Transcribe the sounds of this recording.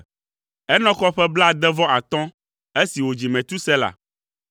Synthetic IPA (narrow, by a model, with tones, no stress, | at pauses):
ɛ˦nɔ̃˦xɔ˦ɸɛ˦bla˦˨d̪ɛ˦vɔ̃˦a˨t̪ɔ̃˦ | e˦si˨wo˨d͡ʑi˨mɛ̃˨t̪u˦sɛ˦la̰˨